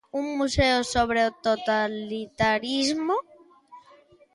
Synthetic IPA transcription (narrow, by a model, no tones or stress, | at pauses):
uŋmuseosoβ̞ɾeot̪ot̪alit̪aɾizmo